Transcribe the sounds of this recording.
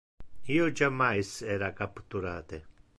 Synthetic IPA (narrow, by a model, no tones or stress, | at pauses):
iːod͡ʒamːajsɛːɾakapt̪uɾaːt̪e